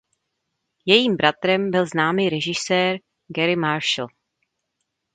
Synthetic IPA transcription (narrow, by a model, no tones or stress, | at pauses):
jɛjiːmbɾat̪ɾɛmbɪlznaːmiːɾɛʒɪsɛːɾ | ɡɛɾɪmaɾʃl̩